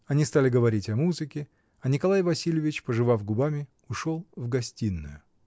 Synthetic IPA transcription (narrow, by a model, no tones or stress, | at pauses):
ɐnʲist̪alʲɪɡəvɐɾʲitʲɐmuzɨkʲɪ | ɐnʲɪkɐlˠajvɐsʲilʲɪvʲɪt͡ɕpəʐɨvavɡʊbamʲɪ | ʊʂolˠvɡɐsʲtʲinːʊ̰jʊ